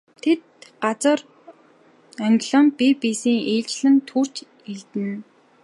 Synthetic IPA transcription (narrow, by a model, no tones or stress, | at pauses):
t̪ʰet̪̚ɢat͡sə̆r | aŋɡʲɮə̆mpipiːsiːŋeːɮt͡ɕɮɘ̆nt̪ʰur̥t͡ɕ | iɮt̪ɘ̆n